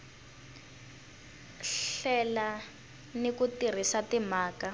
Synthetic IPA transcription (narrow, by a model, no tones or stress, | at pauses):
ɬɛla | nikutir̤isatimaːka